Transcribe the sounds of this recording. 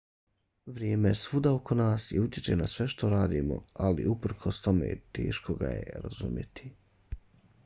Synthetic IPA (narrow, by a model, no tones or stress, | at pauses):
ʋɾjeːmeesʋud̪aokʰo̞naːsjiut̪jet͡ʃe̞nasʋe̞ʃt̪o̞ɾaːd̪iːmo̞̰aliupr̩kʰost̪o̞mḛːt̪e̞̰ːʃkoɡa̰jḛɾa̰zṵmje̞t̪i̥